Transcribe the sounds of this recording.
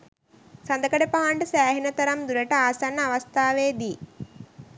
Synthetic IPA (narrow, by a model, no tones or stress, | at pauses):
sand̪əkəɖepaɦaɳɖəsæːɦinɐt̪ɐɾamd̪uɾeʈəaːsanːəaʋɐst̪ʰaːʋeːd̪iː